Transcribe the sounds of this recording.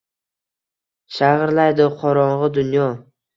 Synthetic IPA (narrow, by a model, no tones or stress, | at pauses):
ʃaʁɾlajd̪ɪqʰɒɾɒɴʁɨd̪ʊnjɒ